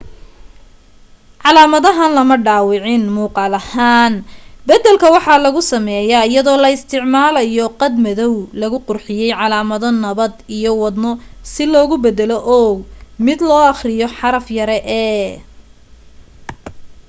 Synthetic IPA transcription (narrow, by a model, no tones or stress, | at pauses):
ʕɑlaːmɐðɐɦaːnlɐmɐɖaːwɪʕɪnmuːqɑːlɐhaːnbɐd̪ɛlkʰɐwɑħɑlɐɣʊsɐmɛjɐɪjɐðɔːlɐɪst̪ʰɪʕmaːlɐjɔqɑd̪mɐðɔwlɐɣʊqʊrħɪjɛjʕɑlaːmɐðɔnɐβɐd̪ijɔwɑd̪nɔsɪlɔːɣʊbɛd̪ɛlɔʔɔːmɪd̪lɔːɑχrɪjɔħɑɾɐfjɐɾɛʔɛ